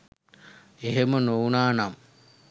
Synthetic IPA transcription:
eɦemənounaːnam

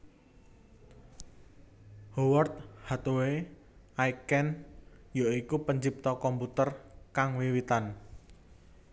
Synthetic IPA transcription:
howərt̪̚hat̪owe | aikɛnjaikupəɲd͡ʒip̚t̪ɔkɔmput̪ərkaŋwiwit̪an

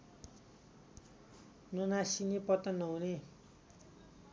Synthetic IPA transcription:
nonasinipʌt̪ʌnʌune

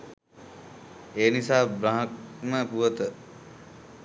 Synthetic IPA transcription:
eːnisaːbɾaɦək̚məpuʋət̪ə

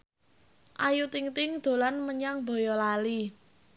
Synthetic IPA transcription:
ʔajut̪ɪŋt̪ɪŋd̪̥o̤lanməɲaŋbo̤jɔlali

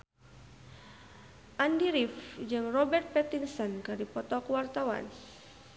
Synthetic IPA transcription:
ʔandiɾifd͡ʒɨŋrɔbɛrt̪̚pɛt̪insɔnkaɾipɔt̪ɔkuwart̪awa̰n

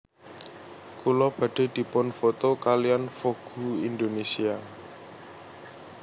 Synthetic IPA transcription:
kulɔb̥ä̤ɖ̥e̤d̪̥i̤pʊnfot̪okalijanfoɡ̥ṳind̪onesia

